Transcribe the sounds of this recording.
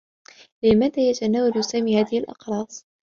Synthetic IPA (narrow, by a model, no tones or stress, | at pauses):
lɪmaːðaːjat̪anaːwalsaːmiːhaːðɪhlʔɑ̰qɾˤɑːsˤ